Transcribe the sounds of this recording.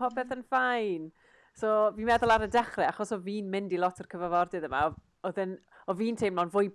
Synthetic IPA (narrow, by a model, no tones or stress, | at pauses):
hɔbɛθənfajn | soːvinmɛðʊlˠaɾədɛχrɛaχɔsɔviːnmɪndilˠɔtʰərkʰəvavɔrdɨðəma̰ɔ | ɔðɪn | ɔviːntʰemlɔnvʊj